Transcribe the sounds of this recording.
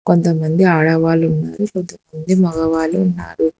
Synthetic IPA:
ko̞nt̪ɐmɐnd̪iaːɽɐʋaːlunːaːɾikont̪ɐmɐnd̪imɐɡɐʋaːluːnːa̰ːɾu

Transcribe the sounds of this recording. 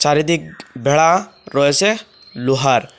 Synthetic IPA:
t͡ʃaɾid̪ik̚bʱɛɭaɾɔjse | luɦaɾ

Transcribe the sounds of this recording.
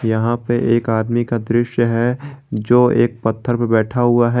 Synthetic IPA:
jɐɦãpeʔeːkaːd̪mikad̪ɾɪʃjəɦɛd͡ʒoːḛːk̚pɐt̪ʰːəɾpebɛːʈʰaɦʊaɦɛ

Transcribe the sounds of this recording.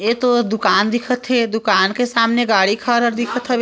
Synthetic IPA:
et̪od̪ukand̪ikʰət̪ɦed̪ukankesamneɡaɽikʰəɾəɾd̪ikʰət̪ɦəbe

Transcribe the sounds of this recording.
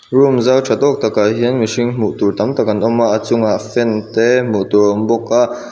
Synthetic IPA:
rumzawt͡ɕʰat̪̚ɔk̚t̪akaɦiənmisiŋm̥uʔt̪ut̪ɐmt̪ak̚anɔmaʔat͡sʊŋafɛnt̪ɛmuʔt̪uɹɔmbɔk̚aʔ

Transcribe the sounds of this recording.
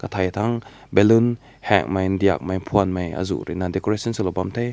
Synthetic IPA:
kat̪ʰajt̪ʰaŋ | bɛlun | hɛk̚majndia̰k̚majpʰuɐnmaja̰zṵʔɾinadɛkɔɾesɔnsilobamt̪ʰej

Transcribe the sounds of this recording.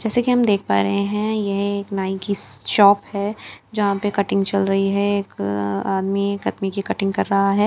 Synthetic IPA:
d͡ʒɛːsekiɦɐmd̪eːk̚ʰpa̰ːɾɐɦẽɦɛ̃jeɦeːknaːĩkiʃɔːphɛːd͡ʒɐɦãpekɐʈɪ̃ŋɡt͡ʃɐlɾɐɦiɦɛeːkaːd̪mikɐt̪mikikɐʈɪ̃ŋɡkɐɾːɐɦaɦɛː

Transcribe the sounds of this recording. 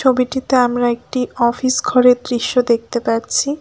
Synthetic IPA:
t͡ɕʰobiʈit̪eamɾaek̚ʈiɔfisɡʱɔɾed̪ɾiʃːod̪ek̚t̪epaɾt͡ɕʰi

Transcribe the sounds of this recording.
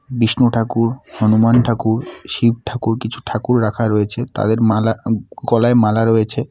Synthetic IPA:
biʃnoʈʰakuɾhonumanʈʰakuɾʃib̚ʈʰakuɾkit͡ɕʰu̥ʈʰakuɾːakʰaɾojet͡ɕʰet̪a̰d̪eɾmalaɡɔlaemalaɾoet͡ɕʰe

